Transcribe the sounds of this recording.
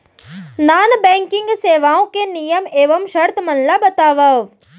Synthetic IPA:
naːnbɛ̃ːŋkɪŋɡseːʋaːõkenijəmeːʋɐmʃɐɾt̪ʰmɐnlabɐt̪aːʋɐʋ

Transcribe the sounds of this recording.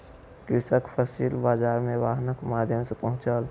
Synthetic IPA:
kɾɪsəkpʰəsiːlbaːd͡ʒaːɾmẽʋaːɦnəkmaːd̪ʱjəmsepəɦʊ̃t͡ʃəl

